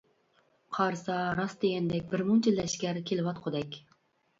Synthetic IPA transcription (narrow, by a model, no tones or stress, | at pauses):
qʰɑɾsɑɾɑsd̪eɡʲɛnd̪ɛk̚ʲbɪɾmuŋt͡ʃʰild̪ɛʃkʲæɾkʲʰelɪwɑt̪qʰod̪ɛkʲ